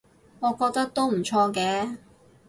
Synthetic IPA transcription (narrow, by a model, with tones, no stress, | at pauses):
ŋɔː˨˧kɔː˧k̚t̪ɐ˥k̚t̪o˥wm̩˨˩t͡ʃʰɔː˧kɛː˨˧˥